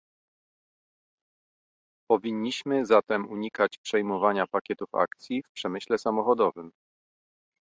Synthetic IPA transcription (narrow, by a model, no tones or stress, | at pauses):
pɔvʲiɲːiɕmɘzat̪ɛmuɲikat͡ɕpʂɛjmɔvaɲapakʲɛt̪ufa̰kt̪sʲjifpʂɛmɘɕlɛsamɔxɔd̪ɔvɘm